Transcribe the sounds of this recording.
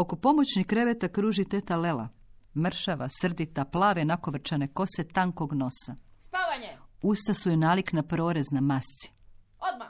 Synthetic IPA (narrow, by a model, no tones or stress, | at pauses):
o̞kopo̞mot͡ɕnihkɾe̞ʋet̪akɾuːʒit̪et̪alela̰ | mr̩ʃaʋasr̩d̪it̪aplˠaːʋenakoʋr̩t͡ʃane̞ko̞set̪aŋko̞ɡno̞saauːst̪asujenaːliknapɾo̞ːɾeznamast̪si̥